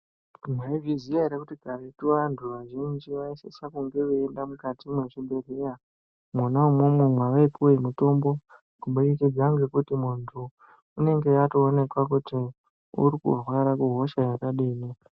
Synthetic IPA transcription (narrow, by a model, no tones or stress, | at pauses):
mwaiviziaiɾekutiɡʱaretuʋantʰuʋaʒind͡ʒiʋaisesakuŋɡe̞uendamukatimweʐiɓe̞rera | munaumwumwemwaʋaipuweimuto̞mbo̞ | kuɓuɾekid͡zaŋɡe̞kutimuntʰu | une̞ŋɡe̞jato̞ːne̞kwakuti | ṵɾikṵrwaɾakuɦo̞ʃajakaɗiːni